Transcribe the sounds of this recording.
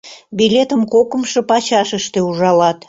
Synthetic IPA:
bilʲet̪əmkokə̆mʃə̆pɑt͡ɕɑʃəʃt̪euʒɑlɑt̪

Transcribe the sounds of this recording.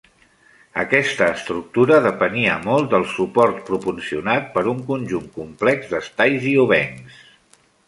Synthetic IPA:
əkɛst̪əːst̪ɾuk̚t̪uɾəðəpəniəmɔlˠt̪̚d̪əlˠsupɔɾt̪pɾupunsiunat̪̚pəɾuŋkunʲʒuŋkumplɛɡzd̪əst̪ajziuβ̞ɛŋs

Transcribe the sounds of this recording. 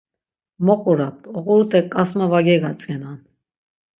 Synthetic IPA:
mɔqʼɔɾap̚t̪ɔʁɔɾut̪ʰɛkʼɑsmavɑɡɛɡat͡sʼɡɛnan

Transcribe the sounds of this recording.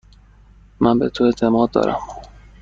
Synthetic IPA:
mænbet̪ʰoe̞t̪ʰe̞mɒːd̪̚ːɒ̰ːɾæ̰m

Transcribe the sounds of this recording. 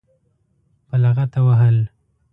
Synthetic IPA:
palaɣat̪awaɦəl

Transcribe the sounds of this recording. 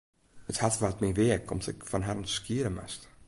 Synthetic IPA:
əthatvatmiʋeəkʰɔ̰msɪkfɔnɦaɾnskiːəɾəma̰st

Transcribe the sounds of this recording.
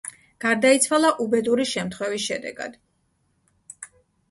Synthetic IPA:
ɡ̥aɾd̪ait̪sʰwalˠaʔubɛd̪uɾiʃɛmt̪ʰχwɛvisʃɛd̪ɛ̰ɡa̰d̪̥

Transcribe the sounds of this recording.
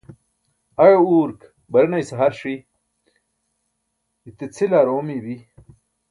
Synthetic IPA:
ɐɻouːɾk | bɐɾnɐjsɐɦɐɾʂi | it̪et͡sʰilaːɾoːmibi

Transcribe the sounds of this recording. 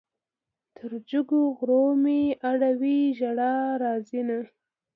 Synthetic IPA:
t̪ʰəɾd͡ʒʊɡoɣɾomeaɽawiʒaɽaɾɑːzina

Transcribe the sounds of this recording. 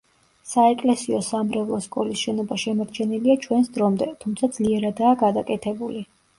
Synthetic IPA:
saɛkʼlɛsiɔsamɾɛvlˠɔskʼɔlisʃɛnɔbaʃɛmaɾt͡ʃʰɛniliat͡ʃʰwɛnsd̪ɾɔmd̪ɛt̪ʰumt̪sʰad̪zliɛɾad̪aːɡad̪akʼɛt̪ʰɛbuli

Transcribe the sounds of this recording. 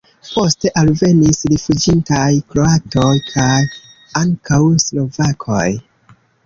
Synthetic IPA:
po̞ste̞ʔalve̞nisɾifud͡ʒintajkɾo̞ato̞jkʰaj | aŋkawslo̞vakʰo̞̰j

